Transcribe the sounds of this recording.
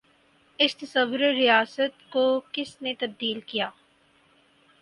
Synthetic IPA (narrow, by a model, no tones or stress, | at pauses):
ɪst̪ɐsɐʋːʊɾeɾijaːsət̪kokɪsnet̪ɐb̚d̪iːlkijaː